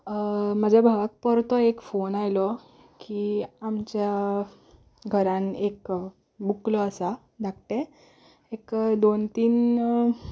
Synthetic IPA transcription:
məd͡ʑʱjabʱaʋak̚pəɾt̪ɔekfonajlɔ | kiamt͡ɕja | ɡʱəɾãnek | buklɔəsa | d̪ʱakʈ̪e | ekd̪ont̪iːn

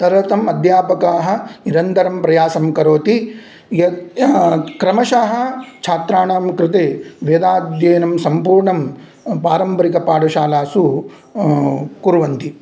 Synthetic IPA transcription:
t̪ɐɾɐt̪ɐmɐd̪ʱjaːpɐkaːɦɐ̆niɾɐnt̪ɐɾɐmpɾɐjaːsɐmkɐɾoːt̪i | jɐ | kɾɐmɐʃaːɦɐ̆t͡ʃʰaːt̪ɾaːɳaːmkɾɪt̪eːʋeːd̪aːd̪jeːnɐmsɐmpuːɾɳɐm | paːɾɐmbɐɾikɐpaːɖɐʃaːlaːsu | kuɾʋɐnt̪i

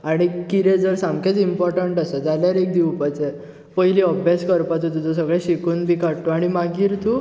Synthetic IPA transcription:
aɽ̃ikiɾed͡zəɾsamkʰet͡simpɔɾʈəɳʈasəd͡zaljaɾek̚d̪iwpat͡se | pəɦiliəbʱjaskəɾpat̪ut̪ud͡zɔ̃səɡɭẽɕikuːnbʱikaɽʈ̪ːoaɽ̃imaɡiːɾt̪ʰu

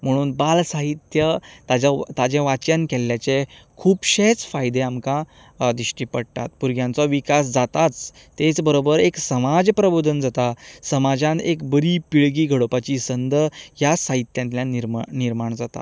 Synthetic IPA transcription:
m̤əɽ̃uːnbalsaɦit̪jət̪ad͡ʑat̪ad͡ʑẽʋat͡ɕənkɛljat͡ɕekʰuːpɕet͡sfajd̪eamka | d̪iɕʈipəɽt̪a̰t̪puɾɡjãnt͡sɔʋikas̬d͡zat̪at͡s | t̪et͡sbəɾobəɾeksəmad͡zpɾəbod̪ʱənd͡zat̪asəmad͡ʑãnekbəɾipiɭɡiːɡʱəɽopat͡ɕisənd̪əjasaɦit̪jãnt̪ljaniɾmniɾmaɳd͡zat̪a̰

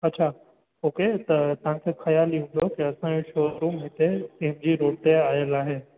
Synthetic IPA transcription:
ɐtːt͡ɕʰaː | ɦoːket̪ɐt̪ɐʋ̤ãkʰexɐjaːliũd̪okiɐsãd͡ʑoʃoːdɾuːmɦɪt̪eɪɦɪmd͡ʑiːɾoːʈeaːjəlaːɦeː

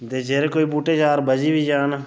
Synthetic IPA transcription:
t̪eːd͡ʒeːɾeːkoːiːbuːʈeːd͡ʒaːɾbəd͡ʒiːbʱiːd͡ʒaːnː

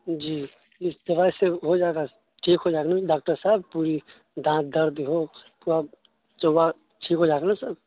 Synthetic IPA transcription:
d͡ʒiː | ɪsd̪ɐbaːiseɦod͡ʒaːɡa | ʈʰiːkɦod͡ʒaːknaɖaːk̚ʈəɾsaɦb̚puːɾi | d̪ʱãːt̪̚d̪ɐɾd̪ɦoːpuːɾa | t͡ʃowa | ʈʰiːkɦod͡ʒaːknasəb

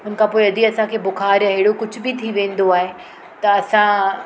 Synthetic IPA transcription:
ɦʊn̆kʰãːpoːiɐd̪ʱiɐsãkʰeːbʊxaːɾjãɦɪɽokʊd͡ʑʱʊbɪt̪ʰiʋẽːn̆d̪oaːɦe | t̪ɐɐsã

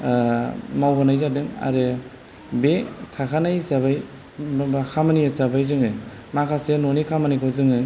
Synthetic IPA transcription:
mawbanajzadɯŋa̰ɾe | betʰakʰanajsabaj | bakʰamaniasabajzɯŋɯ | makʰasenonikʰamanijkʰawzɯŋɯ

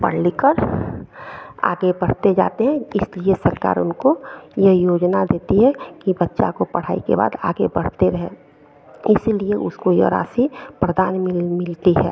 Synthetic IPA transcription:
pə̰ɽ̤likəɾ | a̰ːɡebəɽ̤t̪ed͡ʒa̰ːt̪eɦɛ̃ɪsliesəɾka̰ːɾʊnkojəjoːd͡ʒnad̪eːt̪iɦɛkibətːʃa̰kopəɽ̤a̰ːikḛba̰ːd̪a̰ːɡebəɽ̤t̪eɾɛɦe | ɪslieʔʊskojeɾa̰ːsipɾəd̪aːnmɪlt̪iɦɛ̰ː

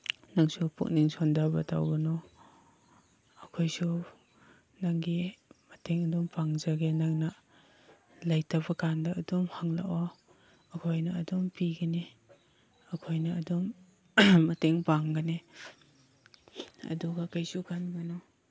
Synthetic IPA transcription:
naŋsupʰṵk̚niŋsɔndabatʰa̰wɡanɔ | akʰojsu | naŋɡimateŋɐdumpaŋzaɡenaŋna | lajtʰabɐkandaːdumhaŋla̰ʔɔ | ɐkʰojnɐːdumpiɡane | ɐkʰojnɐːdumː | ɐteŋpaŋɡane | ɐ̰duɡakajsukʰanɡanɔ

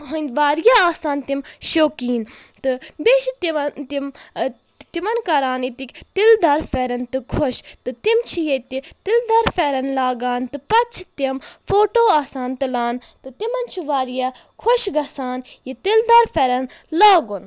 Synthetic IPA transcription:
ɦɐnʲd̪ʋaːɾjaːaːsaːnt̪imʃoːkiːnt̪ɨbeːʃit̪iɐt̪im | t̪imɐnkɐɾaːnit̪ikʲt̪ild̪ɐɾfeːɾɐnt̪ɨkʰoʃt̪ɨt̪imt͡ʃʰijet̪it̪ild̪ɐɾfeːɾɐnlaːɡaːnt̪ɨpɐt͡ʃʰt̪imfʰoːʈoːaːsaːnt̪ɨlaːnt̪ɨt̪imɐnt͡ʃʰiʋaːɾjaː | kʰoʃɡɐsaːnjit̪ild̪ɐɾfeːɾɐnlaːɡun

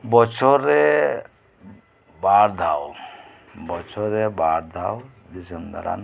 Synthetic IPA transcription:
bɔt͡ʃʰɔɾe | baɾd̪ʱaw | bɔt͡ʃʰɔɾebaːɾd̪ʱaw | d̪isənd̪a̰ɾa̰n

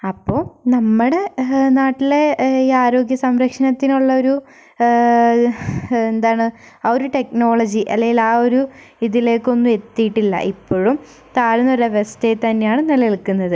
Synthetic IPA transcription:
ɐpːo̞ːnɐmːɐɽe̞naːʈːile̞iaːɾo̞ːɡjɐsɐmɾɐkʂɐnɐt̪ːinuɭːɐo̞ɾu | end̪aːɳɨ | ɐoɾuʈe̞k̚no̞ːɭɐd͡ʑiʔɐ̰lːɐjilaːo̞ɾu | iðile̞ːkːo̞nːue̞t̪ːijʈːilːɐ̰ʔipːo̞ːɻum | t̪aːɾunːoɾɐʋɐst̪ejt̪ɐnːejaːɳɨnelɐeɭkːunːɐðɨ

